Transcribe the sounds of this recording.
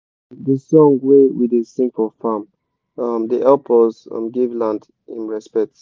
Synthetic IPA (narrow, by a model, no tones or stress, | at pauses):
dəsɔ̃ŋwewidesĩmpəlˠfam | ʌmdiʔɛlpʰɔzʌ̰̃mɡevlãnd | ḭ̃nɹɛspɛk̚t